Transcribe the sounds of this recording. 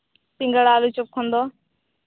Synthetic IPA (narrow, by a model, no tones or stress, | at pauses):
pɪ̃ŋɡəɽaːluːt͡ʃʊp̚kʰõnd̪oː